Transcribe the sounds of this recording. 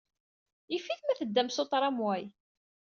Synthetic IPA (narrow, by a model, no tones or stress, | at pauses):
ifːiθmæθəd̪ːæmsot̪ˤɾˤɑmwæj